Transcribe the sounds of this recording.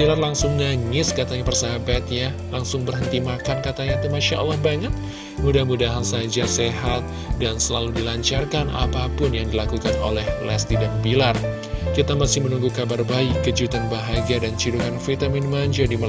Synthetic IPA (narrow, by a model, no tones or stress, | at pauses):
bilarlaŋsʊŋnaŋɪskat̪aɲapərsabat̪ja | laŋsʊŋbərɦənt̪imakankat̪aɲat̪imaʃaʔa̰lːahbaɲət̪̚ | mudahmudaɦansad͡ʒaseɦat̪̚ | dansəlaludilaɲt͡ʃarkana̰papʊnjaŋdilakukano̰lɛhlɛst̪idanbilar | kit̪amasɪhmənuŋɡukabarbaɪkːəd͡ʒut̪anbaɦaɡiadant͡ʃuɾuɦanfit̪aminmaɲd͡ʒadimə